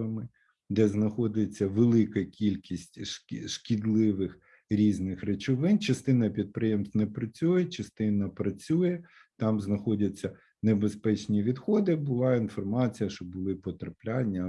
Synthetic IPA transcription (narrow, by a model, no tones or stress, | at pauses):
ɐmɪ | d̪ɛznɐxɔd̪ɪt͡sʲːɐʋelˠɪkɐkʲilʲkʲisʲtʲʃkʲid̪lˠɪʋɪx | ɾʲiznɪxɾet͡ʃʊʋɪnt͡ʃɐst̪ɪnɐpʲid̪̚pɾɪjemst̪nɛpɾɐt͡sʲujɛt͡ʃɐst̪ɪnɐpɾɐt͡sʲujɛ | t̪ɑmznɐxɔdʲɐt͡sʲːɐ | nebespɛt͡ʃnʲiʋʲid̪xɔd̪ɪbʊlˠɑinfɔrmɑt͡sʲijɐʃt͡ʃɔbʊlˠɪpɔt̪ɾɐplʲanʲːɐ